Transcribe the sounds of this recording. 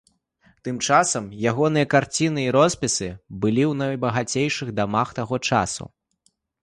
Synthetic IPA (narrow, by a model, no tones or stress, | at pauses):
t̪ɨmt͡ʂasɐmjaɣɔnɨjɐkart͡sʲinɨiɾɔspʲisɨbɨlʲiwnɐjbɐɣat͡sʲejʂɨɣd̪amaxt̪aɣɔt͡ʂa̰sṵ